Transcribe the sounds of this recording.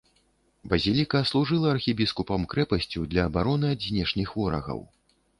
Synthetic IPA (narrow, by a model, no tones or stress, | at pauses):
bɐzʲilʲikɐslˠuʐɨlˠɐɐrxʲibʲiskupɐmkɾɛpɐsʲt͡sʲud̪lʲɐːbaɾɔnɨɐzʲnʲɛʂnʲixvɔɾɐ̰ɣɐ̰w